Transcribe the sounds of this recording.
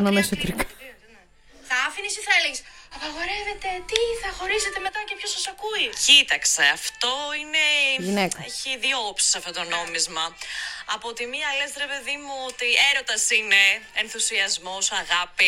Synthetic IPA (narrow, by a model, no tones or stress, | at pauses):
nɐnesot̪ɾik | θɐɐfinisiθɐeleɣesɐpɐɣo̞ɾe̞ve̞t̪e̞t̪iθɐxo̞ɾiset̪eme̞t̪ɐcepçosɐsɐkuicit̪ɐkse̞ɐft̪o̞ineʝinekkeçiðioopsi̥sɐft̪o̞t̪o̞no̞mizmɐɐpot̪imiɐlesɾe̞pe̞ðimuot̪ie̞ɾo̞t̪ɐsine̞enθusiɐzmo̞sɐɣɐpi